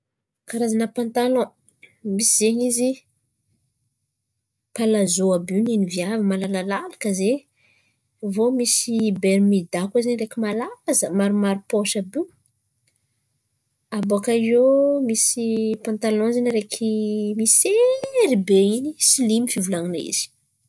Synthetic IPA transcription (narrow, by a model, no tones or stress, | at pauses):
kaɾazanəpãnt̪alɔ̃ | misizeɲizi | palazoabininiviavəmalalalalakəze | vomisibeɾmid̪akazeɲrekʲimalazəmaɾumaɾupoʃabiw | aboakaizomisipãnt̪alɔ̃zeniɾekʰimiseɾibeinisilimifivulaŋinaḭz̥i̥